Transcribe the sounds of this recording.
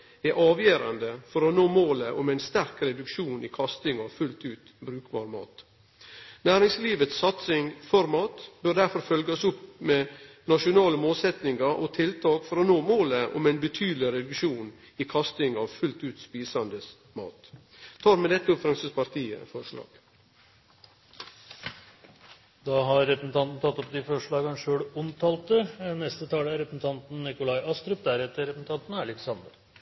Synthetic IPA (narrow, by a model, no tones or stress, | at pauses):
ɛʔɑːʋjøːɾɑnd̪əfɔɾɔnoːmoːləʔʊmæɪnst̪æɾkɾɛd̪ʉkʂuːnɪkʰɑst̪ɪŋɑʋfʉlt̪ʉːt̪ | bɾʉːkbɑ̰ːɾəmɑ̰ːt̪ | næːɾɪŋsliːʋət̪sːɑt̪sɪŋfɔɾmɑːt̪bœɾd̪æɾfɔɾfœlɡɑsʊpmɛ | nɑʂʊnɑːləmoːlsɛt̪nɪŋɑɾʔɔ̰t̪ʰɪlt̪ʰɑːkfɔɾɔnoːmoːləʔʊ̰mæɪnbət̪ʰyːd̪lɪɾɛd̪ʉkʂuːn | iːkʰɑst̪ɪŋɑʋfʉlt̪ʉːt̪spiːsɑnd̪əs | mɑ̰ːt̪ | t̪ʰɑːɾmɛd̪ɛt̪ːəʊpfɾɑŋsəspɑɾt̪iːə̰fɔʂɭɑ̰ːɡ̥ | d̪ɑːɦɑɾːɛpɾəsn̩t̪ʰɑnt̪n̩t̪ʰɑt̪ːɔp̚d̪ɪfɔʂɭɑːɡɑnʂøːɽʊnt̪ʰɑːlt̪ənɛst̪ət̪ʰɑːləæɾɛpɾsn̩t̪ʰɑnt̪n̩nɪkʊlɑɪʔɑst̪ɾʉp̚d̪æɾɛt̪ːəɾɾɛpsn̩t̪ʰɑnt̪n̩ælɪksɑnd̪əɾ